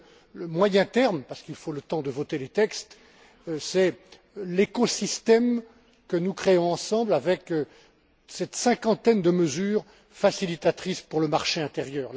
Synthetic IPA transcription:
ləmwajɛ̃t̪ɛʁmpaʁsə̥kilfolət̪ɑ̃d̪əvɔt̪elet̪ɛkst̪ | sɛ | lekɔsist̪ɛm | kənukχeɔ̃ɑ̃sɑ̃blavɛk | sɛt̪sɛ̃kɑ̃t̪ɛnd̪əməzyːʁ | fasilit̪at̪χispuʁləmaʁʃeɛ̃t̪eʁjœːʁ

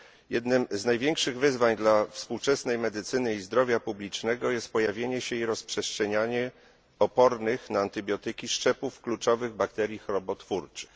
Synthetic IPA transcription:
jɛd̪nɘmznajvʲjeŋkʂɘɣvɘzvaɲd̪lafspuwt͡ʂɛsnɛjmɛd̪ɘt̪sɘnɘizd̪ɾɔvʲjapublʲit͡ʂnɛɡɔjɛst̪̚pɔjavʲjeɲɛɕɛiɾɔspʂɛstʂɛɲaɲɛ | ɔpɔɾnɘxnaːnt̪ɘbʲjɔt̪ɘkʲiʂt͡ʂɛpufklut͡ʂɔvɘɣbakt̪ɛɾʲjixɾɔbɔt̪fuɾt͡ʂɘ̥x

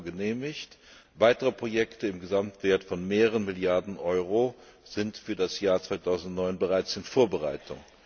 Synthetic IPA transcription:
ɡəneːmɪçt | vaɪtəʁəpʁ̥ojɛktəɪmɡəzamtv̥eːɐtfɔnmeːʁəʁənmɪljaɐdn̩ʔɔʏʁo | z̥ɪntfyːɐdasjaːɐt͡sv̥aɪtʰaʊzn̩tnɔʏnbəʁaɪt͡sɪnfoːɐbəʁaɪtʰʊ̰ŋ

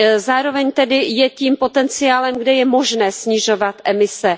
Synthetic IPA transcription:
zaːɾo̞vɛɲt̪ɛdɪjɛciːmpo̞t̪ɛnt͡sɪaːlɛmɡdɛjɛmo̞ʒnɛːsɲɪʒo̞vat̪ʔɛmɪsɛ

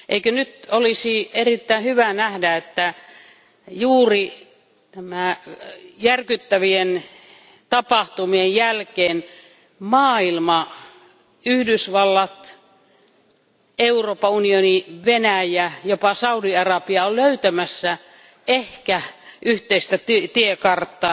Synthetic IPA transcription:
ʔeikønyt̪olisierit̪ːæihyʋænæhdæet̪ːæ | juːri | t̪æmæ | jærkyt̪ːæʋien | t̪ɑpɑht̪umiejjælkeːn | mɑːilmɑ | yhdysʋɑlːɑt̪ | euroːpːɑunioniʋenæjæjopɑsɑudiɑrɑpiɑolløyt̪æmæsːæ | ehkæʔyht̪eist̪æt̪yt̪iekɑrt̪ːˑɑː

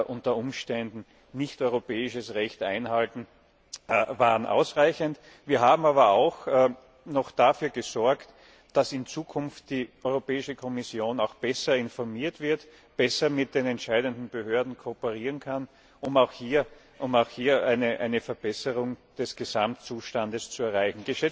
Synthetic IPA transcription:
ʔʊntɐʊmʃtɛndn̩ | nɪçtɔʏʁopɛːɪʃəsʁɛçtʔa̰ɪnhaltn̩ | vaːʁnʔa̰ʊsʁaɪçənt | viːɐɦaːbm̩aːbɐaʊx | nɔxd̥afyːɐɡəzɔɐkt | d̥asɪnt͡suːkʰʊnft̚d̥iːʔɔʏʁopɛːɪʃəkʰɔmɪsjoːnaʊxb̥ɛsɐɪnfɔɐmiːɐtv̥ɪɐt | b̥ɛsɐmɪt̚d̥eːnɛntʃaɪdəndn̩b̥əhøɐdn̩kʰopəʁiːʁənkʰan | ʊmaʊxhiːɐ | ʔʊmaʊxhiːɐʔæɪnəʔa̰ɪnəfɛɐb̥ɛsəʁʊŋd̥ɛsɡ̥əzamtt͡suːʃtandəst͡suɛɐʁaɪçn̩ɡ̥əʃɛ

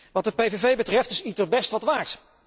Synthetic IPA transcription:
ʋɑt̚dəpejvevejbətrɛftɪsitərbɛstʋɑtʋaːɹt

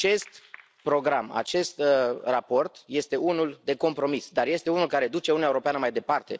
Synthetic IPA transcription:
t͡ʃe̞st̪ | pɾo̞ɡɾama̰t͡ʃe̞st̪rapo̞rt̪je̞st̪e̞ʔunuld̪e̞ko̞mpɾo̞misd̪arje̞st̪eunulkaɾe̞d̪ut͡ʃe̞unieuɾo̞peanəmajd̪e̞part̪e̞

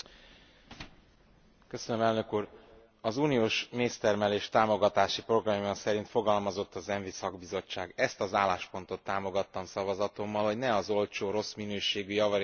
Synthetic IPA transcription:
kø̞sønømɛlnø̞kuːr | ɒzuːnijoːʃmeːst̪ɛrmɛleːʃt̪aːmo̞ɡɒt̪aːʃipro̞ɡrɒmjɒsɛɾint̪fo̞ɡɒlmɒzo̞t̪ːɒzɛɱvisɒɡbizo̞t͡ʃːaːɡɛst̪ɒzaːlːaːʃpo̞n̪t̪o̞t̪ːaːmo̞ɡɒt̪ːɒmsɒvɒzɒt̪o̞mːɒlho̞ɟnɛɒzo̞lt͡ʃoːɾo̞sminøːʃeːɡyjɒvɒɾ

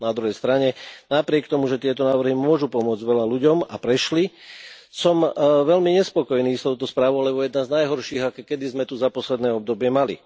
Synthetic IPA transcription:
nad̪ɾuɦɛjst̪ɾaɲɛnapɾɪɛk̚t̪ɔmuʒɛt̪ɪɛt̪ɔnaːʋr̩ɦimʊɔʒupɔmʊɔd͡zɟʋɛʎaluɟɔma̰pɾɛʃlisɔmʋɛlmiɲɛspɔkɔjniːst̪ɔʊt̪ɔspɾaːʋɔʊlɛbɔjɛd̪naznajɦɔɾʃiːɣakɛkɛd̪izmɛt̪uzapɔslɛd̪nɛːɔb̚d̪ɔbɪɛmalḭ

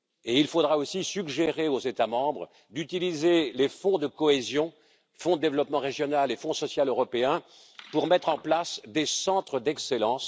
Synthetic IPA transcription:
eilfod̪ʁaosisyɡʒeʁeozet̪amɑ̃bʁə | d̪yt̪ilizelefɔ̃d̪əkɔezjɔ̃ | fɔ̃d̪əd̪evlɔpmɑ̃ʁeʒjɔnalefɔ̃sɔsjaløʁɔpeɛ̃ | puʁmɛt̪χɑ̃plasd̪esɑ̃t̪χəd̪ɛkselɑ̃s

